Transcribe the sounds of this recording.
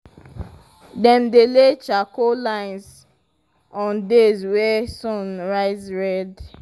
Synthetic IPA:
dɛ̃mdelet͡ʃakolãɪ̃ns | ɔ̃ndezwɛsɔ̃nɹaɪzɹɛd

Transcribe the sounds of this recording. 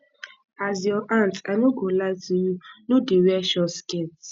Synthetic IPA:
azjɔʔantanoɡolazijunodeɾɛʃɔsket

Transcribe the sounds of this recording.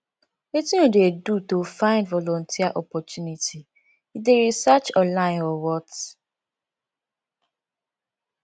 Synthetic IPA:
wetĩodedutofãɪ̃ndvɔlɔ̃ntʰiaʔɔpɔtʰjunitʰi | ideɾisat͡ʃɔ̃nlãɪ̃nɔwɔt

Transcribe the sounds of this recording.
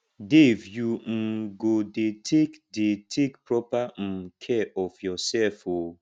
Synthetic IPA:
devjuŋ̩ɡodetʰekdetʰekpɾɔpam̩kʰɛʔɔfjɔsɛlfo

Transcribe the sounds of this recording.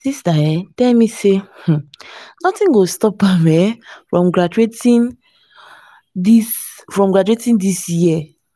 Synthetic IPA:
disdajɛtɛlmiseh̩nɔtĩŋɡostɔp̚bamɛfɹɔ̃mɡɹad͡ʒuetĩn | disfɹɔ̃mɡɹad͡ʒuetĩndisjjia

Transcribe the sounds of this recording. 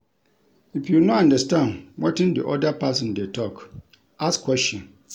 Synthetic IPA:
ifjunɔãndastãnwɔtɪ̃ndiʔɔdapʰasɔ̃ndɛtʰɔk | askʰwɛst͡ʃɔ̃n

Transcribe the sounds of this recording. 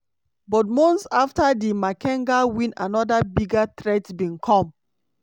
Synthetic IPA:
bɔtmɔ̃nsaftadimakɛ̃ŋɡawĩna̰nɔdabiɡat̪ɹɛtbĩnkʰɔ̃m

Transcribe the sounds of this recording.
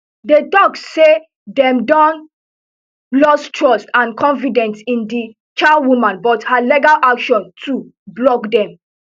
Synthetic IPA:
detɔkse | dɛ̃mdɔ̃n | lɔstʰɹɔstãnkʰɔ̃nfidɛ̃nsĩndi | t͡ʃawumãnbɔthalɛɡalʔakʃɔ̃ntʰu | blɔkdɛ̃m

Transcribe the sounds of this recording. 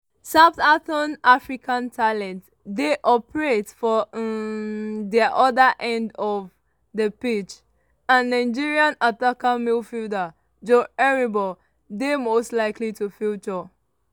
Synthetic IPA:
saptaθɔnafɹikʰãntʰalɛ̃nt | deʔɔpəɹetfɔ | dɛʔɔdəʔɛ̃ndɔv | dəpit͡ʃ | ãnːaɪd͡ʒiɹiãnatakamilfilda | d͡ʒoɛɹibɔ | demostlaɪklitufut͡ʃɔ

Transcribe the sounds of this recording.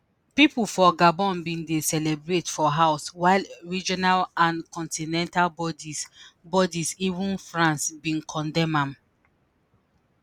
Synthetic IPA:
pipulfɔɡabɔ̃nbĩndesɛlɛbɹetfɔɦaʊswaɪlɹid͡ʒɔnalãnkɔ̃ntinɛ̃ntalbɔdibɔdisivũnfɹãnsbĩnkʰɔ̃ndɛ̃mãm

